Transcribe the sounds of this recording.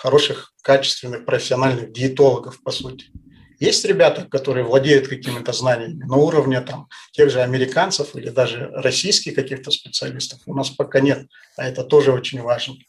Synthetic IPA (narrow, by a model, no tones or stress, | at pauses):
xɐɾo̞ʂɨx | kat͡ɕɪ̥st̪vʲɪnːɨxpɾəfʲɪ̥sʲɪɐnalʲnɨxɡʲɪɪt̪o̞lˠəɡəfpɐsutʲɪ̥ | jesʲtʲɾʲɪbʲat̪əkɐt̪o̞ɾɨjəvlˠɐdʲejʊt̪kɐkʲimʲɪt̪əznanʲɪjəmʲɪnɐuɾəvnʲɪt̪amtʲe̞ɣʐɨɐmʲɪɾʲɪkant̪səfilʲɪd̪aʐɨrɐsʲijskʲɪxkɐkʲixt̪əspʲɪt̪sɨɐlʲist̪ə̥fʊnaspɐkanʲe̞t̪̚ | ɐɛt̪ət̪o̞ʐɨo̞t͡ɕɪnʲvaʐnə